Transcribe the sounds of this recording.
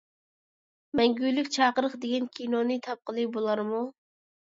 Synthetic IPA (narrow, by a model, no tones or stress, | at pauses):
mɛŋɡʲylːykʲt͡ʃʰɑːqəɾəχd̪eɡʲɛnkʲʰinonɨt̪ʰɑp̚qəlˠɨbolˠɑɾmu